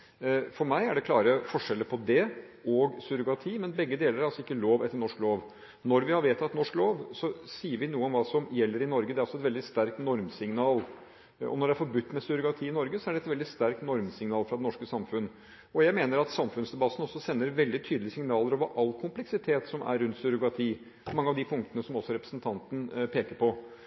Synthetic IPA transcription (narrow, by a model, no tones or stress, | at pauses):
fɔɾmæɪæɖɛkʰlɑːɾəfɔʂɛlːəɾpʰɔd̪ɛ | ɔɡsʉɾʊɡɑt̪ʰiːmɛnbɛɡːəd̪eːləɾæɾɑlsɔɪkːəloːʋɛt̪ːəɾɳɔʂkloːʋ | nɔɾʋɪhɑɾʋeːt̪ʰːɑt̪nɔʂkloːʋsɔsiːəɾʋɪnuːəɔmʋɑːsɔmjɛlːəɾɪnɔɾɡəd̪ɛæɾɑlsɔɛt̪ʋɛld̪ɪst̪æɾk̚t̪nɔɾmsɪŋnɑːl | ɔ̰nɔɖɛæɾfɔɾbʉt̪ːmɛsʏɾʊkɾɑt̪ʰiːɪnɔɾɡəsɔæɖɛt̪ʋɛld̪ɪst̪æɾk̚t̪nɔɾmsɪŋnɑːlfɾɑd̪ɛnɔʂkəsɑmfʉnː | ɔjæɪmeːnəɾɑt̪sɑmfʉnsd̪ɛbɑt̪ːn̩ɔsːɔsɛnːəɾʋɛld̪ɪt̪ʰyːd̪lɪəsɪŋnɑːləɾoːʋəɾʔɑlːkʰʊmplɛksɪt̪ʰeːt̪sɔmæ̰ɾʉnt̪sʉɾʊkɾɑt̪ʰiː | mɑŋːəɑʋd̪ɪpʰʊŋkt̪ənəsɔmɔsːɔɾɛpɾəsnt̪ʰɑnt̪ən̩pʰeːkəɾpʰɔ